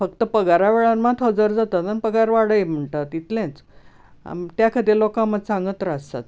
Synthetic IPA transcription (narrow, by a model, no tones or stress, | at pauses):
fəkt̪əpəɡaɾaʋeɭanmat̪ɦəd͡zəɾd͡zat̪at̪ənpəɡaɾʋaɽəjem̤əɳʈat̪it̪lẽnt͡s | t̪jakʰəd̪elokãmət͡sãŋɡət̪ɾast̪a̰t̪̚